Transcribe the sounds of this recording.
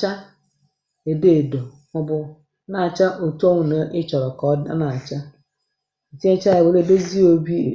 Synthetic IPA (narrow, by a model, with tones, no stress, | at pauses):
a˦ | e˨de˦˨do˨ | mʊ̃˦bʊ˦ | nã˨t͡ʃa˦ʔo˨to˦ŋ˨nã˦ʔɪ˦t͡ʃɔ˨ɾɔ˨kɔ˨˦da̰˦nã˨t͡ʃa˦ | n̩˨ti˦ẽ˦t͡ʃa˦e˨bo˨le˨de˦zi˦o˦bḭ˦˨